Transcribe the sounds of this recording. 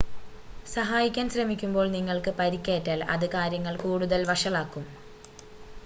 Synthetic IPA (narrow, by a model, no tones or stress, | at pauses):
sɐɦaːjikʲːaːnɕrɐmikʲːumbo̞ːɭniŋːɐɭkɨpɐɾikʲːeːtːɐlɐ̰ðɨkaːɾjɐŋːɐɭkuːɽuðɐlʋɐʂɐɭaːkːum